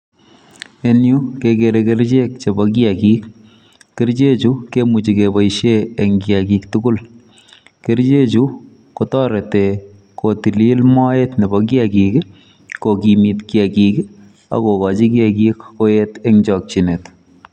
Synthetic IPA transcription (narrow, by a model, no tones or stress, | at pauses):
enjukekeɾekeɾt͡ʃek̚t͡ʃebɔk̬iakiːk | keɾt͡ʃet͡ʃukemut͡ʃikebɔjʃeːŋɡjakiktuɡʊl | keɾt͡ʃet͡ʃu | kotɔɾete | kotililmɔetnebɔk̬jakik | kokimitkiakik | a̰kokɑt͡ʃikiɛkikkojetɛŋt͡ʃɔk̚t͡ʃinet